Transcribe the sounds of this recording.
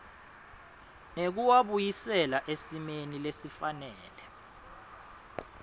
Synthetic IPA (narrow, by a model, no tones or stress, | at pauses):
nek̬uwaɓujisɛlaʔesimenilesifanɛːlɛ